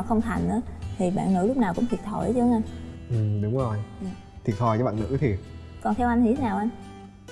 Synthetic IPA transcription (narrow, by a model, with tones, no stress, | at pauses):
wxə˧wŋ͡mt̪ʰa˨˩jŋ̟ʔə̰ː˨˦t̪ʰi˨˩ɓa̰ː˧˨nːɨ̰˧˥lʊ˦˥k͡p̚naː˨˩kʊ̰˧˥ŋ͡mt̪ʰi˨˩t̪̚ʰə˧˩jt͡ɕɨ˧˦ŋʔa˧jnʔɨ˨˩ɗʊ˨˦ŋ͡mzo˨˩jɲaː˧˨t̪ʰwi˨˩ət̚t̪ʰɔ˨˩jt͡ɕːɓ̰ːnɨ̰˧˥t̪ʰi˨˩ət̚kɔ˨˩nt̪ʰɛ˧wʔa˧jt̪i˧˦t̪ʰnaː˨˩wʔa˧jŋ